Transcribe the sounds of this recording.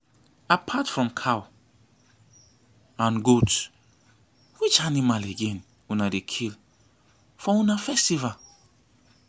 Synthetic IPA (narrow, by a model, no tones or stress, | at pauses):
apʰatfɹɔ̃mkʰaw | ãnɡot | wit͡ʃanimaleɡɛ̃n | wɛ̃nadekʰil | fɔũnafɛstival